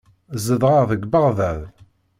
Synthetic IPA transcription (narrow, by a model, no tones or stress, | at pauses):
zəðˤʁəʁðəɡbəʁðæð